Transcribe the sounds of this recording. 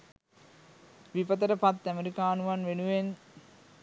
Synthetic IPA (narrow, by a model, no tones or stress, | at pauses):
ʋipət̪̬əɾəpat̪ːæmeɾikaːnuʋanʋenuʋen